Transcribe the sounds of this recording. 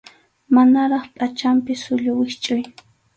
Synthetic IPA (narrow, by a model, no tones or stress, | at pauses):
manaɾɑχpʼat͡ʃampɪsʊʎʊwɪʃt͡ʃʼʊj